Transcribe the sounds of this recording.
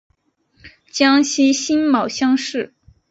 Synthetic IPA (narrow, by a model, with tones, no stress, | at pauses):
t͡ɕjɑ˥ŋɕi˥nɕi˥nmɑ˨˩ʊɕjɑ˥ŋʂɻ̩˥˩